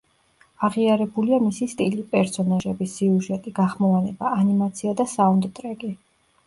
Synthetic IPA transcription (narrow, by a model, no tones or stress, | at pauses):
aʁiaɾɛbuliamisist̪ʼilipʼɛɾsɔnaʒɛbisiuʒɛt̪ʼiɡaχmɔlanɛbaːnimat̪sʰiad̪asaund̪t̪ʼɾɛɡʼi